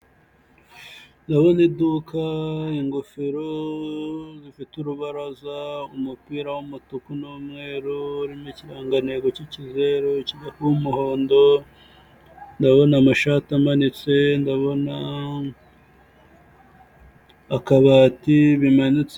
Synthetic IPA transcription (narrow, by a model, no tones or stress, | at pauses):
ndaβo̞nidukaiŋɡufiɾo | zifituɾuβaɾazaumupiːɾawumutukunuːmŋe̞ːɾuɾimiciɾaːŋɡane̞ɡo̞cicize̞ɾociɡakuumuho̞ːndo̞ | ndaβo̞namaʃatamanit͡se̞ndaβo̞na | kaβaːtiβimanit͡s